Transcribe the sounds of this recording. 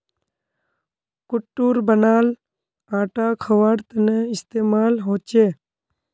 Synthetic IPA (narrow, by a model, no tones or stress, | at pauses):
kʊʈːuːɾbənaːl | ãːʈaːkʰəʋaɾt̪əneɪst̪eːmaːlɦoːt͡ʃeː